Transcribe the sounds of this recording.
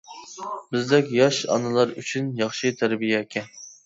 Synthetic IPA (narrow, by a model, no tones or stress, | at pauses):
bɪzd̪ɛkʲjɑʃɑ̰nɨlˠɑɾyt͡ʃʰynjɑχʃɨt̪ʰæɾbijɛekʲʰɛn